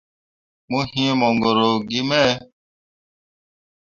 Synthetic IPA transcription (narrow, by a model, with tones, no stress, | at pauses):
mũ˦hĩ˦mɔ̃˨ŋɡo˨ɾo˨ɡi˦mɛ̃˦